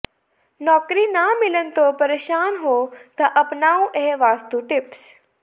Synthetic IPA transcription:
nɔːkɾinamɪlənt̪opɐɾeːʃaːnɦoːt̪ɐʔɐpnaːũʔeɦʋaːst̪uʈɪps

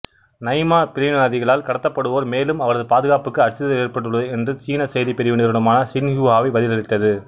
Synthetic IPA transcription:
nɐɪmaːpɪɾɪnaːðɪɣɐɭaːlkɐɽɐt̪ːɐpːɐɽɯʋoːɾmeːlɯmɐʋɐɾɐðɯpaːðɯɣaːpɯkːɯɐɾt͡ʃːɪðɐðɐeːɾpɐʈːɯɭːɐðɐɛndrɯt͡ʃiːnɐsɐjðipɛɾɪʋɪnɪːɾɯɽɐmaːnɐsɪnhuːɦaːʋɐɪʋɐðɪlɐɾɪt̪ːɐðɯ

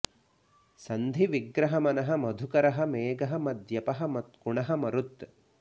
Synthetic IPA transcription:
sɐnd̪ʱiʋiɡɾɐɦɐmɐnɐɦɐmɐd̪ʱukɐɾɐɦɐ̆meːɡɐɦɐ̆mɐd̪jɐpɐɦɐ̆mɐt̪̚kuɳɐɦɐmɐɾut̪

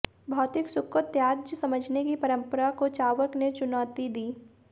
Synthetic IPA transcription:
bʱɔːt̪ɪksʊkət̪jaːd͡ʒjəsɐməd͡ʒʱnekipɐɾə̃mpəɾakot͡ʃaːʋəɾknet͡ʃʊnaːt̪id̪iː

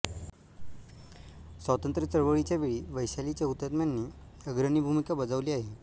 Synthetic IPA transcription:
sʋat̪ənt̪ɾət͡səɭʋəɭit͡ɕjaʋeɭiːʋəjɕalit͡ɕjaut̪jat̪mjanːiː | əɡɾənibʱumikabəd͡zaʋliːaɦe

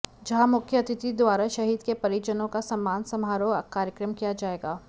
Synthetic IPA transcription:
d͡ʒɐɦãmʊkʰjəɐt̪ɪt̪id̪waːɾaʃɐɦiːd̪kepɐɾid͡ʒənõkasɐmːaːnsɐmɦaːɾoɐkaːɾjəkɾəmkijad͡ʒaːeːɡaː

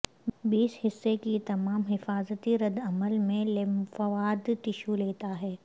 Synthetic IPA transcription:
biːshɪsːekit̪ɐmaːmɦɪfaːzət̪iɾɐd̪ɐməlmẽlefɐʋaːd̪t̪ɪʃuleːt̪aɦɛː

